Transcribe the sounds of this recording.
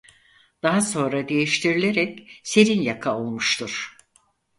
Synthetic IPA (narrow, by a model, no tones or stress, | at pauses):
d̪̥aɦaso̞nɾad̪e̞jiʃt̪ʰiɾilʲe̞ɾɛcse̞ɾinjakʰao̞lˠmuʃt̪ʰuɾ̥